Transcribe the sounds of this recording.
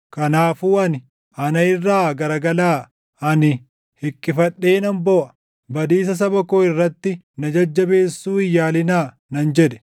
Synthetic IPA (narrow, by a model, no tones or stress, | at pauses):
kɐnaːfuːɐnɪ | ɐnɐɪrːaːɡɐɾɐɡɐlaː | ɐnɪ | hɪkʼːɪfɐɗːe̞ːnɐmbɔʔɐ̥ | bɐd̪iːs̬ɐs̬ɐbɐkoɪrːɐt̪ːɪ | nɐd͡ʒɐd͡ʒːɐbe̞ːsːuːɪjːaːlɪnaː | nɐnd͡ʒɛᶑɛ̥